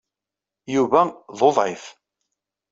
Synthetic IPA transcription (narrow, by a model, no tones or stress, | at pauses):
juvæðˤoðˤʕɪθ